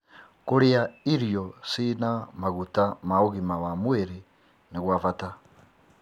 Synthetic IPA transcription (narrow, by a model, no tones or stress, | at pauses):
kuɾeaiɾjɔsinamaɣutamaoɣimawamweɾi | niɣwavata